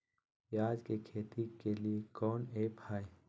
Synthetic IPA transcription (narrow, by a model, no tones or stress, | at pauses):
jaːd͡ʒkekʰeːt̪ikeliekɔːneːpʰaːe